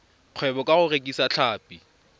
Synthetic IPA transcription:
q͡χʰwɛbɔkʼaɣʊrekʼisat͡ɬʰaːpʼi

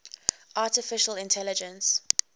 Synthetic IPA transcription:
ʔatɪfɪʃəlɪ̃ntʰɛlɪd͡ʒə̃ns

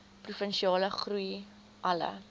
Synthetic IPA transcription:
prufənʃiɑːləχruj | ʔɐlə̰

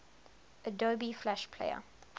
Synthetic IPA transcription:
ədoːbiflæʃpʰlḛɪə̰

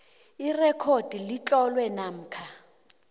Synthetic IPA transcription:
irɛkʰod̥ʱilit͡ɬʼɔlwɛnam̩ːkʰa

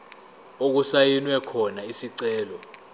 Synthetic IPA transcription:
ok̬usajinwɛkʰɔnaisiǀɛːlɔ

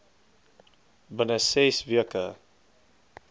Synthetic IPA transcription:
bənəsesviəkə

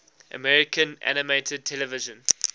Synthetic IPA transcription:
ʔə̰mɛɹɪkə̃nʔæ̰nɪmeɪtʰəd̚tʰɛləvɪʒə̃n

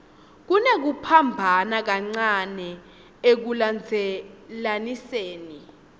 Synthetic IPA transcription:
k̬unek̬upʰambʱanak̬aŋ͡ǀanɛ | ek̬uland͡zʱɛlaniseːni

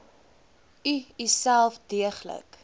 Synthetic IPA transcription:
yisælˠfdiəχlə̰k

